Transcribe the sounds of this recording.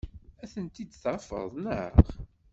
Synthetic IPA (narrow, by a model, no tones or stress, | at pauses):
æθənt̪id̪θfə̰ðˤnəχ